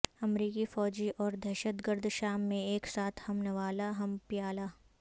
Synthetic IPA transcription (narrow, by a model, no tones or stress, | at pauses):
ɐmɾiːkifɔːd͡ʒiʔɔːɾd̪ʱɛːʃət̪ɡəɾd̪ʱʃaːmːẽeːksaːt̪ʰhɐmnəʋaːlaɦɐmpjaːla